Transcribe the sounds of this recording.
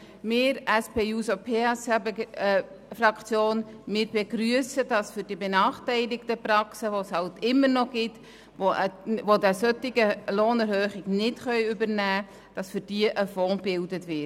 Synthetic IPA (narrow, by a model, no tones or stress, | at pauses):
mɪːɾæspeːuːsopʰeːɛsɛb | frɑkt͡sjoːnmɪːɾb̥eɡɾyəsədɑsfʏɾd̥ibenɑːχtɛɪlɪktəprɑksəʋoshɑltɪmːəɾnɔɡ̥ɪt | oʋodɛsœtɪɡəloːnɛɾhøːχɪɡnɪtχœʏʏbəɾnæː | d̥ɑsfʏd̥iəʔəfɔːnbɪldətʋɪt